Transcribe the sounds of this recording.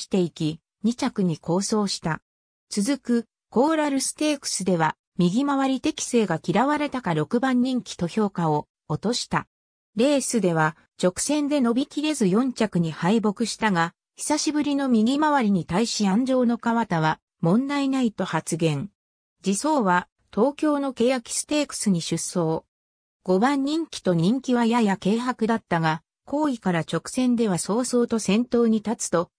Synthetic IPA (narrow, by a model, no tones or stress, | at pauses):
i̥t̪e̞ikʲi | ɲ̟it͡ɕakɯ̟ɲ̟ikʰo̞ːso̞ːɕi̥t̪a | t͡sɨzɨkɯ̟ | ko̞ːɾaɾɯ̟sɨ̥t̪e̞ːkɯ̟̥sɨd̪e̞βa | mʲiɡʲimaβaɾʲit̪e̞kʲi̥se̞ːɡakʲiɾaβaɾe̞t̪akaɾo̞kɯ̟bãɲ̟ːĩŋkʲi̥t̪o̞ço̞ːkao̞ː | t̪o̞ɕi̥t̪a | ɾe̞ːsɨd̪e̞β̞a | t͡ɕo̞kɯ̟̥sẽ̞nd̪e̞no̞bʲikʲiɾe̞zɨjõ̞ɲt͡ɕakɯ̟ɲ̟ihaibo̞kɯ̟ɕi̥t̪aɡa | çi̥saɕibɯ̟ɾʲino̞mʲiɡʲimaβaɾʲiɲ̟it̪aiɕiãɲ̟d͡ʑo̞ːno̞kaβat̪aβ̞a | mõ̞nd̪ainait̪o̞hat͡sɨɡẽ̞ŋ | d͡ʑiso̞ːβa | t̪o̞ːkʲo̞ːno̞ke̞ːjakʲi̥sɨ̥t̪e̞ːkɯ̥sɨɲ̟iɕɨso̞ː | ɡ̥o̞bãɲ̟ɲːĩŋkʲi̥t̪o̞ɲ̟ĩŋkʲiβajajake̞ːɦakɯ̟d̪at̪ːaɡa | ko̞ːikaɾat͡ɕo̞kɯ̟̥sẽ̞nd̪e̞βaso̞ːso̞ːt̪o̞sẽ̞nt̪o̞ːɲ̟it̪at͡sɨ̥t̪o̞